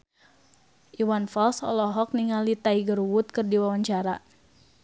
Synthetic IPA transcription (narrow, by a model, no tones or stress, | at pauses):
ʔiwanfɔlsɔ̰lɔɦɔk̚niŋalit̪aiɡəɾuwut̪̚kɨrdiwawaɲt͡ʃaɾa